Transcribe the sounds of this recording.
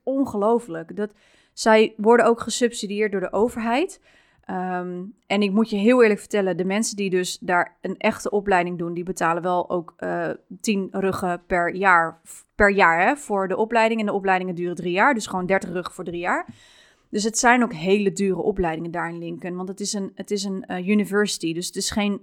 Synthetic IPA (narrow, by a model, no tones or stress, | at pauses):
ɔnχəlowfələkdɑt | sɛjʋɔɹdənowkχəsɵpsidiɪːɹt̚dʊːɹdəʔowvəɹɦɛjt | ʔɛnɪk̚mutjəɦɪːlˠɪːɹləkfə̥ɹtɛləndəmɛnsəndidɵsdaːɹənʔɛχtəʔɔplɛjdɪŋdundibətaːlənʋɛlˠo̰wkətinrøχəpɛɹjaːɹ | pɛɹjaːɹɦɛv̥ʊːɹdəʔɔplɛjdɪŋɛndəɔplɛjdɪŋəndyːrədrijaːɹdɵsχəʋoːwndɛɹtəχrøχə̥vʊːɹdrijaːɹ | d̥øs̬ɦətsɛjnowkɦejlədyːrəʔɔplɛjdɪŋəndaːɹɪnlɪŋkənʋɑntətɪsənətɪs̬ənjynivɛɹsi̥tidøsətɪsχejn